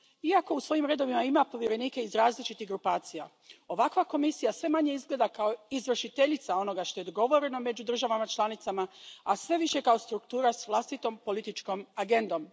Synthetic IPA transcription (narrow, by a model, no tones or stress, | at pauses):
iako̞usʋo̞ːjimɾe̞d̪o̞ʋimaimapo̞ʋjeɾe̞niːke̞izɾaːzlit͡ʃit̪iɦɡɾupaːt̪sija | o̞ʋakʋako̞misijasʋe̞maɲe̞izɡle̞d̪akaoizʋr̩ʃit̪e̞ʎit̪sao̞no̞ɡaʃt̪o̞e̞d̪oɡo̞ʋo̞ɾe̞no̞me̞d͡ʑud̪r̩ʒaʋamat͡ʃlˠanit̪samaasʋe̞ʋiʃe̞kao̞st̪ɾukt̪uːɾasʋlˠast̪it̪o̞mpo̞lit̪it͡ʃko̞maɡe̞nd̪o̞m